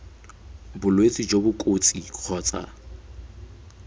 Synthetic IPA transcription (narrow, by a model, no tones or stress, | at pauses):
bʊlwet͡sʼid͡ʒobʊkʼot͡sʼiq͡χʰɔːt͡sʼa̰